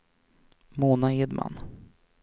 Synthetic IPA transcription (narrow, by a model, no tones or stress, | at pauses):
moːnaɪd̪ma̰n